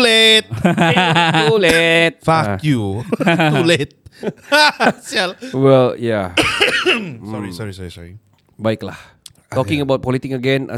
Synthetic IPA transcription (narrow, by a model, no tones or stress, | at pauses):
let̪̚ | ulet̪̚fakju | ulet̪̚ | sɛlwɛlja | sɔɹisɔɹisɔɹisɔɹi | baɪkla̰h | tɔkɪ̃ŋəbaʊwt̪̚pɔlit̪ɪkəɡɛ̃na̰